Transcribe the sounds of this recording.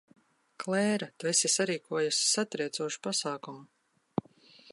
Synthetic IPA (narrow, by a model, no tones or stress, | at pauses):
klˠɛːɾat̪vɛsʲisaɾiːkʰuɔjusi̥sat̪ɾiɛt̪suɔʃu̥pasaːkumu